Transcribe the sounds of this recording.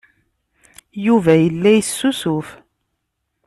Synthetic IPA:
juvæjəlːæjəsːusʊf

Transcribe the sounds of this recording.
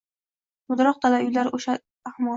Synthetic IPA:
bʊd̪ɾɒq̚t̪ʰalaʊjlaɾoʃaː | hmɒ

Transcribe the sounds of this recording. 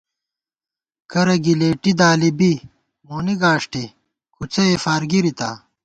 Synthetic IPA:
kɐɾɐɡileːʈid̪aːlibi | moːniɡaːʂʈi | kʰut͡sɐefaːɾɡiɾit̪a̰ː

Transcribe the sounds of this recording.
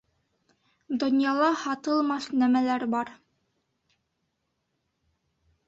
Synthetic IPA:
d̪ŏnjɑlˠɑhɑt̪ɤ̆lˠmɑθnæmælæɾbɑɾ

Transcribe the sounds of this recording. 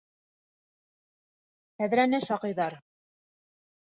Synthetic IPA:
tæðɾænɘʃɑqɤ̆jðɑɾ

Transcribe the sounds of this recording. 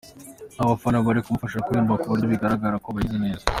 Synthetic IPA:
naβafanaβaɾikumufaʃakuimbakuβaɾiβiɡaɾaɡaɾakoβaizine̞ːza

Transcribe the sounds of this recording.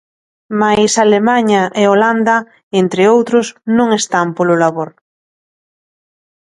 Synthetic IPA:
majsalemaɲaʔeoland̪a | ent̪ɾɪowt̪ɾʊsnõŋest̪ampolʊlaβoɾ

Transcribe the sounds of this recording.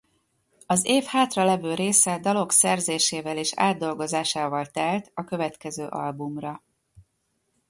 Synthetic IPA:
ɒzeːfhaːt̪rɒlɛvøːɾeːsɛd̪ɒlo̞ksɛrzeːʃeːvɛleːʃa̰ːd̪ːo̞lɡo̞zaːʃaːvɒlt̪ɛlt̪ɒkøvɛt̪kɛzøːʔɒ̰lbumrɒ

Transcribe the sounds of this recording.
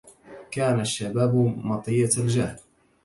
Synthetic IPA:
kaːnaʃːabaːbmɑt̪ˤɨjald͡ʒaːl

